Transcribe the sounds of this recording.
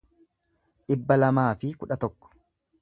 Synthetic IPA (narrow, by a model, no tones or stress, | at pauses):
ᶑɪbːɐlɐmaːfɪkʊᶑɐt̪ɔkːɔ̥